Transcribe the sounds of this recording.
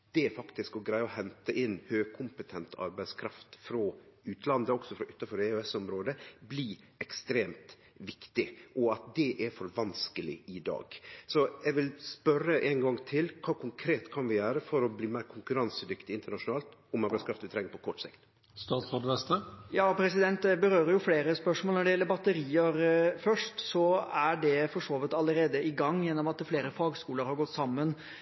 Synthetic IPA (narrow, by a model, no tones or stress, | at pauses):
d̪̥ɛɛɾfɑkt̪ɪskɔɡɾæɪəɔhɛnt̪əʔɪnːhøːɡkʰʊmpət̪ʰɛnt̪ʰɑ̰ɾbæɪskʰɾɑft̪fɾoʉːt̪lɑnd̪əɔksɔfɾɔʔʉt̪ːɑfɔɾɛøɛsʊmɾoːd̪əbliː | ɛkst̪ɾeːmt̪ | ʋɪkt̪ɪʔɔɑt̪̚d̪ɛʔɛɾfɔɾʋɑnskəlɪɪd̪ɑ̰ːɡ̥sɔɛɡʋɪlspœɾːəʔɛɪŋɡɑŋːt̪ʰɪlkʰɑːkʰʊŋkʰɾeːt̪kʰɑnʋɪjøːɾəfɔɾɔbliːmæɪɾkʰʊŋkʉɾɑnsəd̪ʏkt̪ɪɪnt̪əɳɑʂʊnɑːlt̪ɔmɑʋɑskɾɑft̪ʋɪt̪ʰɾɛŋːəpʰɔkʰɔʈːsɪ̰kt̪ | st̪ɑːt̪sɾɔd̪ʋɛst̪əjɑːpʰɾɛsɪd̪ɛnt̪d̪ɛbəɾøːɾəɾjʊfleːɾəspœʂmoɔlnɔɖɛjɛlːəɾbɑt̪ːəɾiːəɾfœʂʈsɔæɖɛfɔʂoːʋɪt̪ɑlːəɾeːd̪əʔɪɡɑŋːjɛnːɔmɑt̪fleːɾəfɑːɡskuːləɾhɑɾɡɔt̪ːsɑmːən